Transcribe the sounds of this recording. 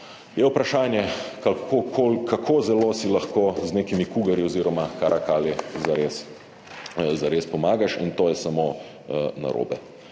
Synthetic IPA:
jɛupɾaʃaːnjɛkakokʰolkʰakʰoːzɛloːsilaxkoːzneːkimikuːɡɐɾjiɔziːɾɔmakaɾʔakaːljɛzaɾeːs | zaɾeːspɔmaːɡaʃḭnt̪oːjɛsamo | na̰ɾo̰ːbɛ̰

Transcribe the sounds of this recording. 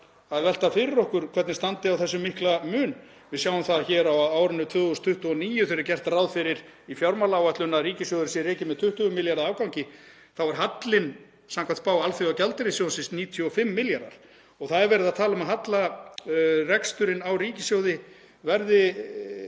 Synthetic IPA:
aðvɛl̥t̪afɪɾɪɾɔhkʏɾ̥kʰvɛt̪nɪst̪ant̪ɪawθɛsːʏmɪhklamʏːn | vɪðsjaːwʏmθaðçɛːɾawaːwɾʏnːʏt̪ʰvʏːðust̪ʰʏht̪uɔniːjʏθɪɾɪɾacɛr̥t̪rawðfɪɾɪɾifjawɾmalaːwɛt̪lʏnːariːcɪsjowðɪsjɛrɪːcɪmɛðt̪ʰʏht̪ʏʏmɪljaɾðaaːwkawɲcɪ | θawvaɾ̥ɦat̪lɪn | samkʰvanpaːwalθiawcɛlt̪ɪɾɪsjownsɪnsniːt̪ʰjʏɔfɪmːɪljaɾða̰ɾ̥ | ɔɣθaðɛɾvɛːɾɪðaðt̪ʰaːlʏmaðɦat̪la | rɛkst̪ʏɾɪnawriːcɪsjowðɪ | vɛɾðɪ

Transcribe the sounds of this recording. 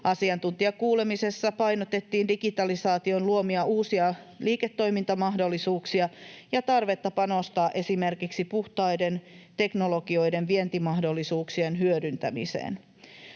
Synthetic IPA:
ʔɑsiɑnt̪unt̪iɑkuːle̞mise̞sːɑpɑjnot̪et̪ːiːndikit̪ɑlisɑːt̪io̞nluo̞miɑuːsiɑ | liːket̪ːo̞jmint̪ɑmɑɦdo̞lːisuːksiɑjɑt̪ɑrʋe̞t̪ːɑpɑnost̪ɑːʔe̞sime̞rkiksipuht̪ɑjde̞nt̪e̞knolo̞ɡio̞jde̞nʋient̪imɑɦdo̞lːisuːksienɦyødynt̪æmḭsḛːn

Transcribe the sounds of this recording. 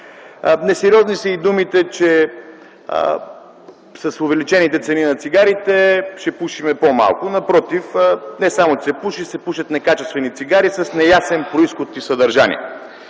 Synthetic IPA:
nɛsɛɾiɔznisəid̪umit̪ɛt͡ʃɛ̰ | sɐsʊvɛlit͡ʃɛnit̪ɛt̪sɛninɐt̪siɡaɾit̪ɛʃɛpuʃimɛpoma̰lˠkʊnɐpɾɔt̪ifnɛsamʊt͡ʃsɛpuʃisɛpuʃɐt̪nɛkat͡ʃɛst̪vɛnit̪siɡaɾisɐsnɛjasɛnpɾoisxʊt̪ːisɐd̪ɐɾʒanḭɛ̰

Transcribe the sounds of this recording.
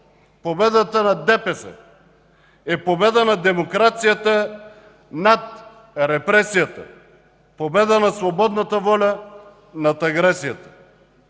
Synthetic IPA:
pobɛd̪at̪anad̪ɛpɛsɛ̰ | ɛpobɛd̪anad̪ɛmokɾat̪sijat̪a | nat̪̚ | ɾɛpɾɛsijat̪a̰ | pobɛd̪anasvɔbɔd̪nat̪avɔlʲa | nat̪aɡɾɛsijat̪ə̥

